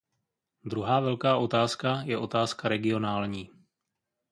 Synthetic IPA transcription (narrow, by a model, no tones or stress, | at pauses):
d̪ɾuɦaːvɛlkaːʔo̞t̪aːskajɛʔo̞t̪aːskaɾɛɡɪo̞naːlɲiː